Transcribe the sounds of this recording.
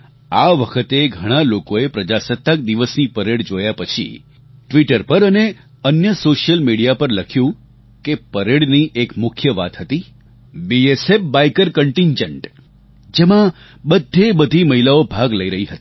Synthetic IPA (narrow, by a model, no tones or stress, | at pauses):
aʋəkʰət̪eɡʱəɽ̃alokoepɾəd͡ʒasət̪ːək̚d̪iʋəsnipəɾeɽd͡ʒojapət͡ʃʰḭ | ʈʋiʈəɾpəɾəne | ənjəsoʃijəlmiɽijapəɾləkʰjũ | kepəɾeɽniʔekmʊkʰjəʋa̰t̪ɦət̪i | biesefbaikəɾkəɳʈiɲd͡ʒəɳʈ | d͡ʒemã | bəd̪ʱːebəd̪ʱiməɦilaobʱaɡləiɾəɦiɦət̪i̥